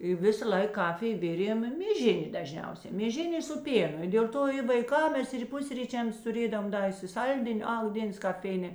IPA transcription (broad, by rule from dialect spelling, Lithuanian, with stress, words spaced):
ɪ ˈʋʲɪsɐˌlˠɐɪk ˈkɑːfʲɪj ˈʋʲɪrʲeːm mʲeːˈʒʲɪnʲeː dɐˈʒʲnʲɛʊsʲɛ mʲeːˈʒʲɪnʲ eː sʊ ˈpʲeːnʊ ɪ dʲeːlˠ ˈtoː ɪ ʋɐɪˈkɐm ˈmʲɛs ɪr ˈpʊsʲrʲiːt͡ʃʲɛms tʊˈrʲeːdoːʋɐm ˈdɐ ɪsʲɪˈsɐlʲdʲɪnʲ ɐk ˈdʲeːns kɐp ˈfʲɛɪnʲeː